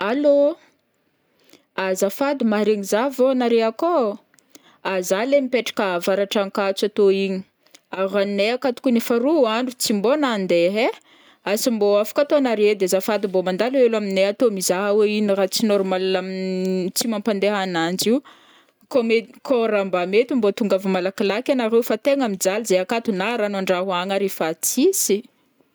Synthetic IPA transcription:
alo | azafad̪imaɾeɲizavonaɾeako | azalemipeʈ͡ʂḁkavaɾaʈ͡ʂaŋkat͡sat̪oiɲi̥ | aɾanneakat̪u̥kunefaɾuaɳɖ͡ʐut͡simbonand̪eɦe | asimboafḁkʲat̪onaɾed̪ezafad̪imbomand̪alelamineat̪omizaɦaweinirat͡sinoɾumalalamit͡simampand̪eɦanand͡ʒiw | komekoɾambamet̪imbot̪uŋɡavumalakilakʲanaɾewfat̪eŋamid͡zalizeakat̪unaɾanaɳɖ͡ʐaɦuaŋaɾefat͡sisi

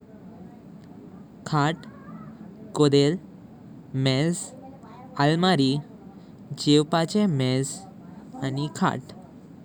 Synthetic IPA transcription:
kʰaʈ | kod̪el | mɛd͡z | almaɾi | d͡ʑewpat͡ɕemɛz | anikʰa̰ʈ

